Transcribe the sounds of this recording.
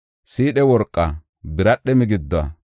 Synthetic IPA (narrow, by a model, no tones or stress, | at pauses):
siːɗɛwɔɾkʼːɐ | bɪɾɐɗːɛmɪɡɪd̪ːɔɐ̰